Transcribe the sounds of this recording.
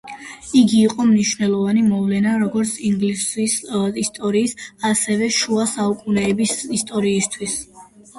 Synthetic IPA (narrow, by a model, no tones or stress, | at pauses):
iɡiːqʼɔmniʃvnɛlˠɔvanimɔvlɛnaɾɔɡɔɾt̪sʰiŋɡlisisist̪ʼɔɾiːsasɛvɛʃuasaukʼunɛːbisist̪ʼɔɾiːst̪ʰwis